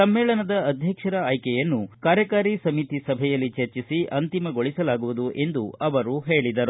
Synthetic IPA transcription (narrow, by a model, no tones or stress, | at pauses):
sɐmːɛːɭɐnɐd̪ɐɐd̪ʱjɐkʂɐɾɐaːjkɛjɐnːukaːɾjɐkaːɾisɐmit̪isɐbʱɛjɐlːit͡ʃɐɾt͡ʃisiʔɐnt̪imɐɡo̞ɭisɐlaːɡuʋud̪uʔe̞nd̪uɐʋɐɾuɦe̞ːɭid̪ɐɾu